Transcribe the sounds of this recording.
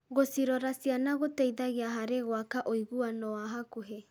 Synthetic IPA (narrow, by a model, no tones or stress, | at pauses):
ɣosiɾɔɾasianaɣotɛiðaɣeaɦaɾeɣwakaʔoiɣuanɔwaɦakoɦe